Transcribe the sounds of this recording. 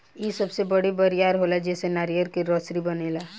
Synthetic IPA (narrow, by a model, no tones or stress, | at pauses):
jisɐbsebɐɽibɐɾijaːɾɦoːlad͡ʒɛːsenaːɾijəɾkeɾɔːsɾibɐneːlaː